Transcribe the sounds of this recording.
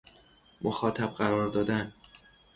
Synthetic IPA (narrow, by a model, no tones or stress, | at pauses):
moxɒːt̪ʰæb̥̚ɢæɾɒːɾd̪ɒːd̪æn